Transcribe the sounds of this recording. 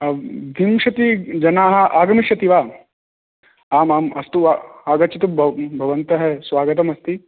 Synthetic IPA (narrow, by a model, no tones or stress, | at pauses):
d̪ʱimʃɐt̪id͡ʒɐnaːɦɐ̆ʔaːɡɐmiʃɐt̪iʋaː | aːmaːmɐst̪uaːɡɐt̪t͡ʃit̪ubʱbʱɐʋɐnt̪ɐɦesʋaːɡɐt̪̬ɐmɐst̪i